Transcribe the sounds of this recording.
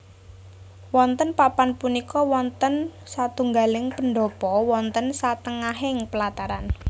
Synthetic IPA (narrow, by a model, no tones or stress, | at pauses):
wɔnt̪ənpapanpunikɔwɔnt̪ən | sat̪uŋɡalɪŋpənɖɔpɔwɔnt̪ənsat̪əŋaɦɪŋpəlat̪aɾan